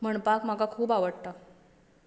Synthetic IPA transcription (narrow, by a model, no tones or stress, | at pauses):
m̤əɳpakm̤akakʰuːbaʋəɽt̪a